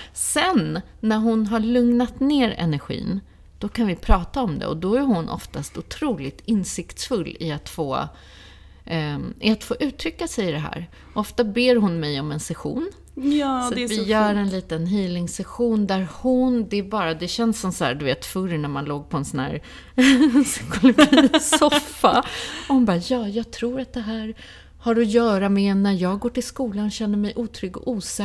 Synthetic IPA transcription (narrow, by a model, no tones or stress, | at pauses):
sɛnː | æɾɦʊnɦaɭɵŋnat̪neːɾɛ̰næɾɧḭːn | d̪̥ɔkʰanvɪpʰɾɑːt̪aɔmd̪ɛ̰ɔ̰d̪ɔæɾhʊnʔɔ̰ft̪ast̪ʊt̪ʰɾuːlɪt̪ɪnsɪkt̪sfɵlːɪat̪foː | ʔɪat̪foːʔʉ̟ːt̪ʰɾʏkːasɛjɪd̪ɛɦæ̰ːɾ | ʔɔft̪abeːɾɦʊnmɛjɔmɛnsɛɧṵːn | jsat̪vɪjœːɾɛnliːt̪ənɦiːlɪŋsɛɧuːnd̪æɾhʊnd̪ɛːbɑːɾad̪ɛɕɛnsːɔmsɔhæ̰d̪ɵveːt̪fɵɾnæɾmanloːɡ̚pʰɔɛnsɔnæ̰ːɾ | sɪ̥kʊlʊɡʰisɔfːaɔhʊnbɑːjɑːjɑːɡ̚t̪ʰɾuːɾat̪̚d̪ɛɦæːɾ | haɾɔjœːɾamɛnæɾjɑːɡɡoːʈɪlskuːlanɔɕɛnːəɾmɛjʔuːt̪ʰɾʏɡɔ̰ʔuːsɛ